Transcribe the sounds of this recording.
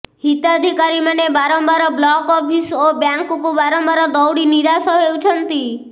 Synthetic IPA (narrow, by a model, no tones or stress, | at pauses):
hit̪ad̪ʱikaɾimanebaɾɔmbaɾɔblɔkɔpʰisobjaŋkɔkubaɾɔmbaɾɔd̪ɔwɽiniɾasɔɦewt͡ʃʰɔnt̪i